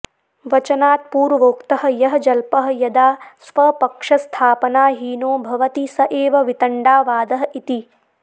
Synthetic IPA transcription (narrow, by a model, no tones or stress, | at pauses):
ʋɐt͡ʃɐnaːt̪̚puːɾʋoːkt̪ɐɦɐ̆jɐɦɐd͡ʒɐlpɐɦɐ̆jɐd̪aːsʋɐpɐkʂɐst̪ʰaːpɐnaːɦiːnoːbʱɐʋɐt̪isɐʔeːʋɐʋit̪ɐɳɖaːʋaːd̪ɐɦɐʔit̪i